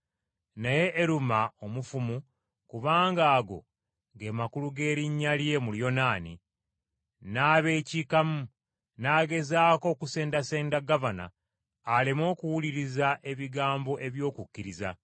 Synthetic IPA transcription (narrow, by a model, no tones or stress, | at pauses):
neje̞ʔːɾumao̞mufumu | kuβaːŋɡaːɡo̞̰ | ɡe̞ːmakuluɡe̞ːɾiɲːalje̞muljo̞naːnḭ | naːβe̞ːcikamu | naːɡe̞zaːko̞ːkuse̞ːndase̞ːndaɡavana̰ː | lemo̞ːkuwuliɾizaʔe̞βiɡaːmbo̞ʔe̞βjo̞ːkukːiɾiza